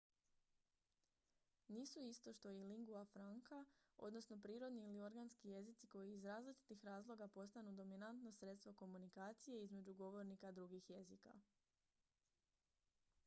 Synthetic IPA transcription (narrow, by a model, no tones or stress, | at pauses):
niːsuist̪o̞ʃt̪o̞jiliŋɡuafɾaŋkao̞̰d̪no̞sno̞pɾiːɾo̞d̪niːlio̞ɾɡanskije̞zit̪siko̞jiːzɾaːzlit͡ʃi̥t̪ixɾaːzlˠo̞ɡapo̞st̪anud̪o̞minant̪no̞sɾe̞t̪st̪ʋo̞ko̞munikaːt̪sije̞izme̞d͡ʒuɡo̞ʋo̞ɾnikad̪ɾuɡixje̞zika̰